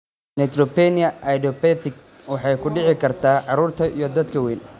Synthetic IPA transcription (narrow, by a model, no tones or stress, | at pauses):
nɛt̪ɾɔpɛnɪjɐʔɐjdɔpɛt̪ɪk̚ | wɑħɑjkʰʊɖɪʕɪkʰɐrt̪ʰaːʕɑɾuːrt̪ʰɐʔijɔd̪ɐd̪kʰɐwɛːn